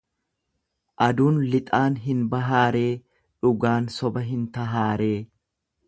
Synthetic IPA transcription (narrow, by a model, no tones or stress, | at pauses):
ʔɐd̪uːnlɪt̪ʼaːnɦɪnbɐɦaːɾe̞ː | ᶑʊɡaːnsɔbɐɦɪnt̪ɐɦaːɾe̞ː